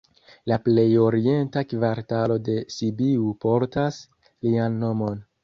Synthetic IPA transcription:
laple̞jo̞ɾie̞ntakvaɾtalo̞de̞sibiupo̞ɾtas | lianːo̞mo̞n

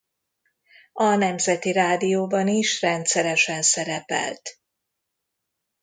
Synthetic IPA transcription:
ɒnɛmzɛt̪iɾaːd̪ijoːbɒniʃrɛnt̪sɛɾɛʃɛnsɛɾɛpɛ̰lt̪

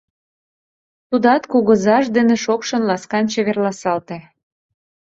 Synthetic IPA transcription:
t̪ud̪ɑt̪kuɣə̆zɑʃd̪eneʃokʃɤ̆nlɑskɑnt͡ɕeβerlɑsɑlt̪e

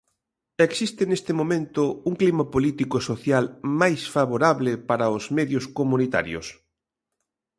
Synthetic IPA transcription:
eksist̪ɪnest̪ɪmomẽnt̪ʊuŋklimapolit̪ikosoθjalmajsfaβoɾaβlɪpaɾɐʊzmeðjʊskomunit̪a̰ɾjo̰s

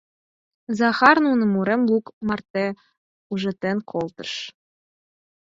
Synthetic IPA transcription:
zɑxɑrnunɤ̆muɾemlˠukmɑrt̪e | uʒɤ̆t̪enkʰolt̪ɤ̥̆ʃ

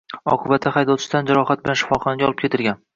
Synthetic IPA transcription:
ɒ̰qʰɨbat̪ʰːaχajd̪ɒwt͡ʃʰɪ̥d̪and͡ʒaɾɒhat̪̚bɪlanʃɪ̥fɒqɒnɪɡʲaɒlɪp̚kʰʲe̞t̪ɪɾɡʲan

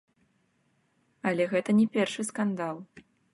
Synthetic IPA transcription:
ɐlʲɛɣɛt̪ɐnʲɛpʲɛrʂɨskand̪alˠ

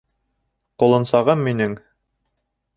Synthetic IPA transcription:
qŏlˠɤ̆nsɑʁɤmːinɘŋ

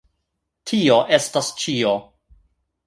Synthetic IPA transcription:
tʰio̞ʔe̞stast͡ʃio

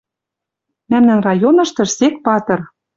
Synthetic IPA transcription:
mæmnænrɑjonɤ̆ʃt̪ɤ̆ʃsek̚pɑt̪ɤ̆r

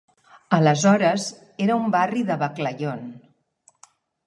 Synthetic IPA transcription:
ələzɔɾəz | eɾəumbariðəβəkləʎon

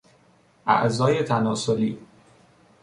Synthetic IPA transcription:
ʔæ̰ʔzɒːjet̪ʰænɒːsoliː

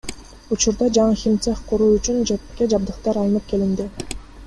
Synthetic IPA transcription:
ut͡ʃuɾd̪ɑd͡ʒɑɴɯxʲimt̪seχqʰuɾuːyt͡ʃynd͡ʒet̪kʲe̞d͡ʒɑb̚d̪ɯqt̪ɑɾɑnɯp̚ke̞lind̪ɪ

